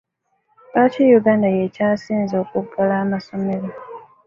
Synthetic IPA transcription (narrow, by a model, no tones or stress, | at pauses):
baːtejuɡaːndajecaːsiːnzo̞ːkukːalaːmaso̞me̞ɾo